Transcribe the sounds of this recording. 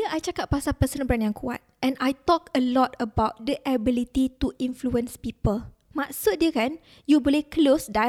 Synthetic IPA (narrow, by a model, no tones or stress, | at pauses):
əʔajt͡ʃakat̚pasapəsə̃nbɾanjãŋkʰua̰t̪̚ʔɛ̃nʔajt̪ɔkəlɔt̪əbawt̚dəʔabilit̪it̪uʔĩnfluə̃nspipəl | maʔsut̪̚diəkan | jubolehklosda